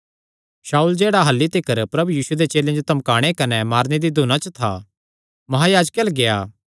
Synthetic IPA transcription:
saːuːld͡ʒeːɽaɦɐlːit̪ɪkəɾpɾɐbujiːsued̪et͡ʃeːlẽd͡ʒot̪ɐmkaːɽ̃ekɐnɛmaːɾned̪id̪ʱuːnãt͡ʃət̪ʰa̰ | mɐɦaːjaːd͡ʒkelɡejaː

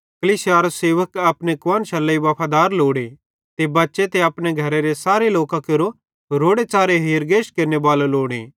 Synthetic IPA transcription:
kɐlisjaːɾoseːʋəkɐpnekʋãːnʃɐlɐiʋɐpʰad̪aːɾloːɽ̃e | t̪ebɐtːʃet̪eɐpneɡʱɐɾeɾesaːɾeloːkãkeɾo | ɾoːɽet͡ʃaːɾeɦeːɾɡeːʃkeːɾnebaːloloːɽ̃e

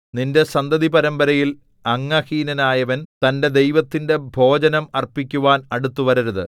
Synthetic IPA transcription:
ninde̞sɐnd̪ɐðipɐɾɐmbɐɾɐjil | ɐŋːɐhiːnɐnaːjɐʋɐnt̪ɐnde̞d̪e̞jʋɐt̪ːinde̞bʱo̞ːd͡ʑɐnɐmɐrpikʲːuʋaːnɐɽut̪ːuʋɐɾɐɾɐðɨ̰

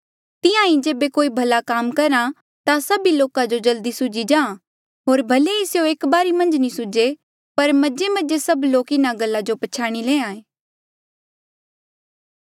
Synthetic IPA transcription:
t̪ɪjãĩd͡ʒeːbekoːibʱɐlakaːmkɐɾã | t̪asɐbiloːkad͡ʒod͡ʒɐld̪isʊd͡ʒid͡ʒãːã | ɦoːɾbʱɐleisjoeːkbaːɾimɐ̃nd͡ʒnĩsʊd͡ʒe | pɐɾmɐd͡ʒemɐd͡ʒesɐbloːkɪnaɡɐlːad͡ʒopɐt͡ʃʰaːɽ̃ilẽːãːẽː

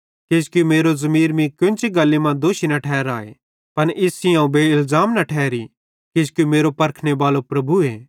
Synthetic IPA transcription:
ked͡ʒkjumeːɾozɐmiːɾmĩkjʊ̃nt͡ʃiɡɐlːimãd̪oːʃinɐʈʰɛːɾaːḛ | pɐnʔɪsiãːũbʱeɪlzaːmnɐʈʰɛːɾi | kɪd͡ʒkjumeːɾopɐɾkʰɽ̃ebaːlopɾɐbʱueː

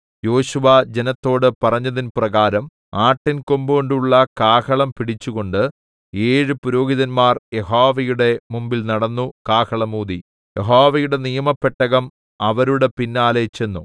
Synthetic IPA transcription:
jo̞ːɕuʋɐd͡ʑe̞nɐt̪ːo̞ːɽɨpɐrɐɲːɐðinprɐɣaːɾɐm | aːʈːinko̞mbuɣo̞ɳɖuɭːɐkaːkɐɭɐmpiɽit͡ɕːuɣo̞ɳɖɨ | eːɻɨpuɾo̞ːɡiðɐnmaːrjeɦoːʋɐjuɽe̞mumbilnɐɽɐnːukaːkɐɭɐmuːði | je̞ɦoːʋɐjuɽe̞nijɐmɐpːeʈːɐɣɐm | ɐʋɐɾuɽe̞pinːaːlet͡ɕe̞nːu

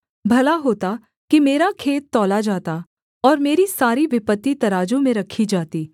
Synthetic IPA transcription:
bʱɐlaɦoːt̪a | kimeːɾakʰeːt̪ːɔːlad͡ʒaːt̪a | ɔːɾmeːɾisaːɾiʋɪpət̪ːit̪ɐɾaːd͡ʒõmẽɾɐkʰid͡ʒaːt̪iː

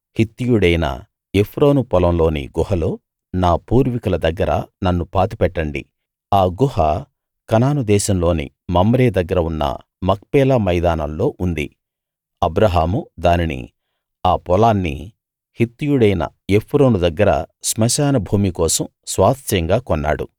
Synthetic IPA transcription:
hit̪ːijuɽɐjnɐ̰ | epʰɾo̞ːnupɔlɐmlo̞ːnḭɡuɦɐlo̞ː | naːpuːɾʋikulɐd̪ɐɡːɐɾɐ̰nɐnːupaːt̪ipɛʈːɐɳɖḭ | aːɡuhɐ | kɐnaːnud̪ɛːʃɐmlo̞ːnḭ | mɐmɾɛːd̪ɐɡːɐɾɐunːɐ̰ | mɐk̚pɛːlaːmɐjd̪aːnɐmlo̞ːʔund̪ḭ | ɐbɾɐɦaːmud̪aːninḭ | aːpɔlaːnːḭ | hit̪ːujuɽɐjnɐ̰ | epʰɾoːnud̪ɐɡːɐɾɐ̰smɐʃaːnɐbʱuːmikɔːsɐm | sʋaːst̪jɐŋɡaːkɔnːa̰ːɽṵ

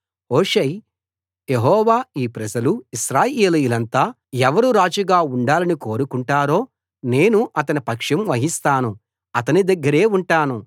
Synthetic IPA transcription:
oːʂej | jeɦɔːʋaːiːpɾɐd͡ʒɐluiʃɾaːjeːlujulɐnt̪aː | ɛʋɐɾuɾaːd͡ʒɐɡaːuɳɖaːlɐniko̞ːɾukuɳʈaːɾo̞ː | ne̞ːnuʔɐt̪ɐnipɐkʂɐmʋɐɦist̪aːnu | ɐt̪ɐnid̪ɐɡːɐɾe̞ːuɳʈaːnu

